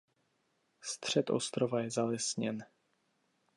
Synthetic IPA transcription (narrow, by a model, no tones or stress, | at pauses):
st̪r̝̥ɛt̪ʔo̰st̪ɾovajɛzalɛsɲɛn